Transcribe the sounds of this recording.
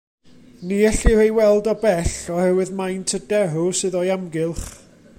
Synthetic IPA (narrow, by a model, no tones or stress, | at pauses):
niɛɬihejwɛlˠdɔbɛɬɔhɛwɨðmajntʰədɛrʊsɨðɔjamɡɪlˠχ